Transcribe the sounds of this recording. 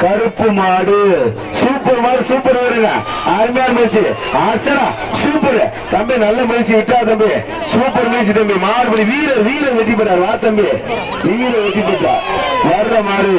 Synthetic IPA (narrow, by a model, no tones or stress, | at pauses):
kɐɾɯpːɯmaːɽɯ | suːpɐɾmaːɽɯsuːpːɐɾɐʋɾɯŋɡa̰ | aɾmjaːɾɯmɐɾt͡ʃːɯ | aːɾsɐɾaː | suːpːɐɾɛ | t̪ɐmbinɐlːɐmɐɾɪt͡ʃːiʋɪʈːaːt̪ɐmbi | suːpːɐɾmɐːt͡ʃːit̪ɐmbimaːɾɯpɐɽiʋiːlɐɾʋiːlɐʋɛʈːip̬ːɐʈːaːɾɯʋaːɾt̪ɐmbi | ʋiːlɐʋɛʈːipːɐːʈːa̰ːʋɐɾːɐmaːɽi